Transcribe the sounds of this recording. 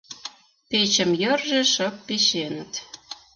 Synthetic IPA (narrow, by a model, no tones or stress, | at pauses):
pet͡ɕəmjərʒĕʃəpːeʃenət̪